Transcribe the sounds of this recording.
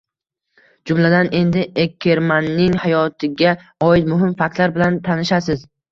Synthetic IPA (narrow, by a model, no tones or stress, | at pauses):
d͡ʒʊmlad̪ane̞nd̪ɪekʲʰːeɾmanːɪŋhajɒt̪ʰɪɡʲa | ɒɪt̪mʊɦɪmfak̚t̪laɾbɪlant̪ʰanɪʃasɪz